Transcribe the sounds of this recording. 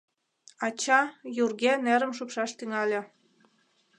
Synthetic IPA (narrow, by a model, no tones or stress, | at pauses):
ɑt͡ɕɑjurɣeneɾəmʃupʃɑʃt̪yŋɑlʲĕ